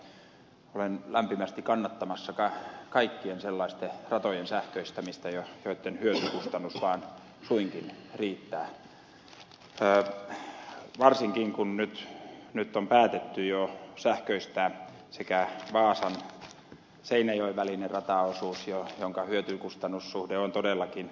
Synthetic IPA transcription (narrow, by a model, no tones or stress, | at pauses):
olenlæmpimæst̪ikɑnːɑt̪ːɑmɑsːɑkɑkɑikːienselːɑist̪erɑt̪ojensæhkøist̪æmist̪æjojoit̪ːenhyøt̪ykust̪ɑnːusʋɑːn | suiŋkinriːt̪ːæː | ʋɑrsiŋkiŋkunnyt̪nyt̪ːompæːt̪et̪ːyjosæhkøist̪æː | sekæʋɑːsɑn | seinæjoiʋʋælinerɑt̪ɑosuːsjojoŋkɑhyøt̪ykust̪ɑnːussuhdeont̪odelːɑkin